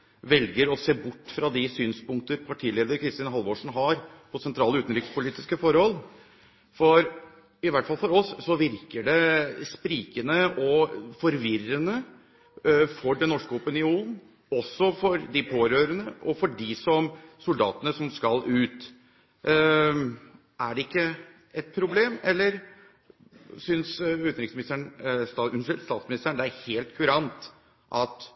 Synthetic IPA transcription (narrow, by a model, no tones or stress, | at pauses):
ʋɛlɡəɾɔseːbʊʈːfɾɑd̪ɪsyːnspʊŋkt̪əɾpʰɑʈʰiːleːd̪əɾkʰɾɪst̪iːnəɦɑlʋoːʂn̩ɦɑɾpʰɔsɛnt̪ʰɾɑːləʉːt̪n̩ɾɪkspʊliːt̪ɪskəfɔɾhɔlː | fɔɾ | ɪʋæʈfɑlfɔɾɔsːɔʋɪɾkəɖɛspɾiːkənəʔɔfɔɾʋɪrənə | fɔɖɛnːɔʂkəɔpənɪuːnn̩ | ɔsːɔfɔɾd̪ɪpʰoːɾøːɾənəʔɔfɔɖɪsɔmsʊld̪ɑ̰ːt̪ənəsɔmskɑlʔʉːt̪ | ʔæɖɛɪkːə | ɛt̪̚pʰɾʊbleːmɛlːəɾ | sʏnsʉːt̪nɾɪkŋsmɪɪst̪əɳɑʂɛst̪ɑːt̪smɪnɪst̪əɳd̪ɛæɾheːlt̪kʰʉɾɑnt̪ | ʔɑt̪